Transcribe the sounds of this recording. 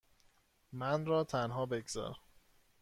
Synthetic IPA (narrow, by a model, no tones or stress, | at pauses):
mænɾɒːt̪ʰænɦɒːbe̞ɡz̥ɒ̰ːɾæ